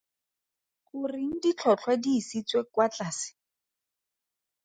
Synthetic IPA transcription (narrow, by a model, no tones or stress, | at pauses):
kʊriŋ̩dit͡ɬʰɔt͡ɬʰwadiːsit͡swekwat͡ɬaːsɪ̥